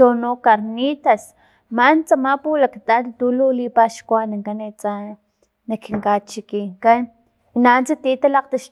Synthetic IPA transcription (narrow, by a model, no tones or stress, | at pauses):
onokaɾnit̪as | mant͡samapulakt̪at̪t̪ululipaʃkʷanaŋkanet͡sa | nakiŋkat͡ʃikiŋkan | inant͡sat̪it̪alaqt̪aʃ